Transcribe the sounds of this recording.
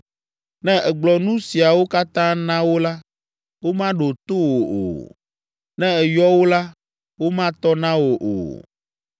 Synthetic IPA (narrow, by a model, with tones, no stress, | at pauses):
nɛ̃˦ɛ˨ɡ͡blɔ˨nũ˦si˨a˨wo˦ka˦t̪ã˦nã˦wo˦la˦ | wo˦mã˦ɖo˨t̪o˦wo˨o̰˨ | nɛ̃˦ɛ˨jɔ˦wo˦la˦ | wo˦mã˦t̪ɔ˦nã˦wo˨ʔo̰˨